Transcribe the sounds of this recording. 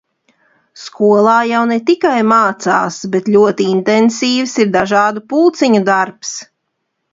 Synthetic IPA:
skuɔlˠaːjawnɛt̪ikajmaːt̪saːsbɛt̪lʲuɔt̪iint̪ɛnsiːvsiɾd̪aʒaːd̪upulˠt̪siɲud̪aɾps

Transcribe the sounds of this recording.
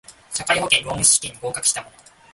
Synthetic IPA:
ɕakaiɦo̞kẽɾo̞ːmʲisɨ̥ɕi̥kʲĩɲ̟ːiɡo̞ːkakɯ̟ɕi̥t̪amono

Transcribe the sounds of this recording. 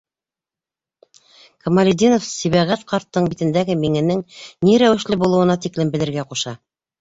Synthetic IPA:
kɐmalʲid̪inofsiβɑʁæt̪qɑɾt̪ːɤɴbit̪ɘ̆nd̪æɡɘmiŋɘ̆nɘŋniɾæwɘ̆ʃlɘbulˠɤ̆wɤ̆nɑt̪iklɘmbɘ̆lɘ̆ɾɡæquʃɑ

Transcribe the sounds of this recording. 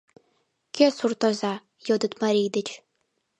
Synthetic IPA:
kʰʲesurt̪ɔzaː | jɔd̪ɨt̪maɾid̪ɨt͡ʃ

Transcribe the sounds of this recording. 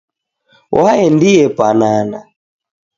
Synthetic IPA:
waɛndijɛpanana

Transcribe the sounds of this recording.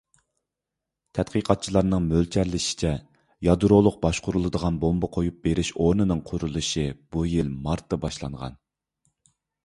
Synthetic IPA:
t̪ʰɛt̪̚qʰiqʰɑt̪̚t͡ʃʰilˠɑɾnɨŋmølt͡ʃʰɛɾlɪʃi̥t͡ʃʰɛ | jɑd̪uɾolˠʊq̚bɑʃqʰʊɾulˠɨd̪əʁɑnbombɑqʰojup̚beɾɪʃoɾnɨnɨŋqʰʊɾulˠuʃib̥ujilmɑɾt̪ːɑbɑʃlˠɑ̰ɴʁɑ̰n

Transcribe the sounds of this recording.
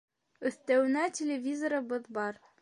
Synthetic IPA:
ɵ̆θt̪æwɘ̆nætʲɪlʲevʲizoɾɤ̆bɤðbɑɾ

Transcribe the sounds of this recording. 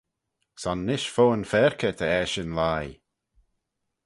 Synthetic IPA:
sanːɪʃfoːənfɛɹkʰət̪ʰəɛʃənlaːj

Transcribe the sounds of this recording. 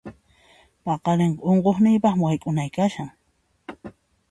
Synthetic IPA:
pɑqɑɾɪɴoɴqoχnɪjpɑχmwajkʼʊnajkaʃaŋ

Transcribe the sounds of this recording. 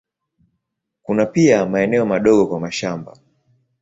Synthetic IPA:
kunapiamaɛnɛɔmaɗɔɠɔkwamaʃamba̰

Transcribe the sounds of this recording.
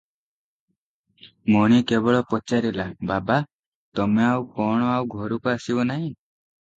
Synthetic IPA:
mɔɽ̃ikebɔɭɔpɔt͡ʃaɾilababa | t̪ɔmeawkɔɽ̃ɔawɡʱɔɾukaasibɔnaɦĩ

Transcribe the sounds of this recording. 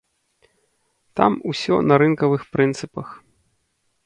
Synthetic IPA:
t̪a̰musʲɔ̰nɐɾɨnkɐvɨxpɾɨnt̪sɨpɐx

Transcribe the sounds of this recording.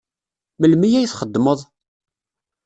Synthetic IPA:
məlmijæjθχəd̪ːməðˤ

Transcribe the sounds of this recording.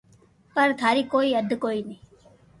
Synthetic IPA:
pəɾt̪ʰaːɾiːkoːiːəd̪ʱkoːiːnĩː

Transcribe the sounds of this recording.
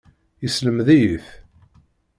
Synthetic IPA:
jəsləmðæjiθ

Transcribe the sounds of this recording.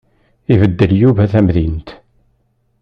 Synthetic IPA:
ivəd̪ːəljuvæθæmðint̪

